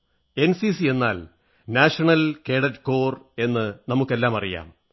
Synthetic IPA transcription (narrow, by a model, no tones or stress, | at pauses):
e̞nsisie̞nːa̰ːl | naːʂɐɳɐlke̞ːɽɐtːko̞ːre̞nːɨnɐmukːe̞lːaːmɐrija̰ːm